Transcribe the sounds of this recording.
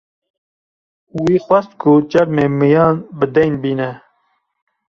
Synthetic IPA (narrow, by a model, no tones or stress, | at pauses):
wiːxwɛst̪̚kʰʊt͡ʃɛɾmeːmɨjɑːnbɨd̪ɛjnbiːnɛ